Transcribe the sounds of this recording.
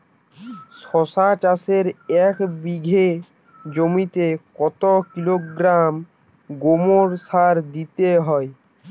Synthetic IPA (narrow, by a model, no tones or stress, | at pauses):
ʃɔsat͡ɕaseɾɛkbiɡʱe | d͡ʑomit̪ekɔt̪okiloɡɾam | ɡomoɾsaɾd̪it̪eɦɔe